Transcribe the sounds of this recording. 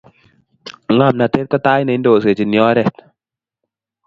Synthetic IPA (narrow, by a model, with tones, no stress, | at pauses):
ŋa˨mna˨te˦t̚ka˦taː˦jne˨˦ndo˨s̬e˨t͡ʃi˨njɔ˨˦ɾɛ˦˨t̚